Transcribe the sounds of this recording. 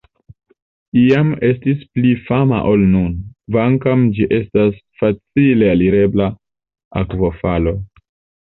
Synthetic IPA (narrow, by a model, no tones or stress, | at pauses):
iame̞stisplifama̰ʔo̞lnunvaŋkamd͡ʒiʔe̞stasfat͡sile̞aliɾe̞bla | a̰kvo̞falo̞